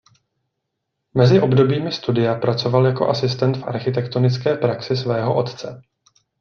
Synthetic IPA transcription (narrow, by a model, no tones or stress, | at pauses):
mɛzɪʔo̞bdo̞biːmɪst̪udɪjapɾat͡so̞valjako̞̰ʔasɪst̪ɛnt̪fʔa̰ɾxɪt̪ɛkt̪o̞nɪt͡skɛːpɾaksɪsvɛːɦo̞ʔo̞t̪t͡sɛ